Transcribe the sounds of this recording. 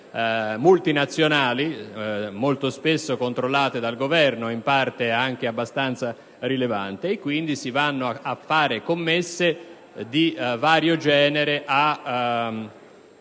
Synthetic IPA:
mult̪inat̪sːjonaːlimolt̪ospesːokont̪ɾolːaːt̪ed̪alɡovɛrnoimpart̪eaŋk̟eabːast̪ant̪sa | rileva̰nt̪eːkːwind̪isivanːoaafːaːɾekomːesːe | d̪ivaːɾjod͡ʒɛːneɾeʔa

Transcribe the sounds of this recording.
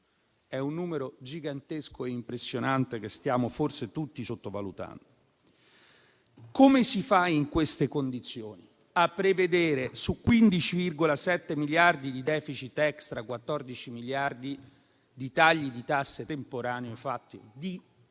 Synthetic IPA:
ɛunːuːmeɾod͡ʒiɡant̪eskoeimpɾesːjonant̪ekest̪jaːmoforset̪ut̪ːisot̪ːova̰lṵt̪a̰nd̪oo | komesifaiŋkwest̪ekond̪it̪sːjoːni | apːɾeved̪eːɾesukːwind̪it͡ʃivirɡolasɛt̪ːemiljard̪id̪id̪ɛːfit͡ʃit̪ːɛkst̪ɾakwat̪ːɔrd̪it͡ʃimiljard̪i | d̪it̪aʎːid̪it̪asːet̪empoɾaːneofat̪ːid̪i

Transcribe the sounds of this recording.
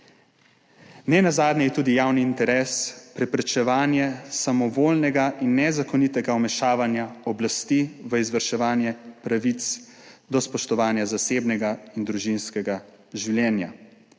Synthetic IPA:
nɛnazaːd̪nʲɛjɛt̪uːd̪ijawniːnt̪ɛɾɛːspɾɛpɾɛt͡ʃɛʋaːnjɛsamɔʋoːlnɛɡaʔinːɛzakɔnit̪ɛɡaɔmɛʃaːʋanjaɔblast̪iʋəizʋəɾʃɛʋaːnjɛpɾaʋit̪s | d̪ɔspɔʃt̪ɔʋaːnjazaseːbnɛɡaind̪ɾuʒinskɛɡa | ʒiwljɛːnja̰

